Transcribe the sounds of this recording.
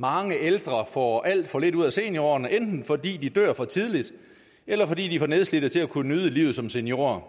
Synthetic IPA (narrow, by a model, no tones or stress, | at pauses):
mɑ̈ŋəʔeld̥ʁɐfɒ̰ːʔæl̰d̥fɒ̽le̝d̥uð̞̰ˠæse̝njo̝ɐnəʔend̥n̩fɒ̽dḭːd̥id̥ø̰ɐ̰fɒ̽t͡sʰið̞ˠlid̥ | elɐfɒ̽d̥ḭːd̥ifɒneðˠsled̥ðˠt͡sʰe̝lækʰunənyð̞ˠəliʊð̩ˠsɒ̽mse̝njo̝ːɐ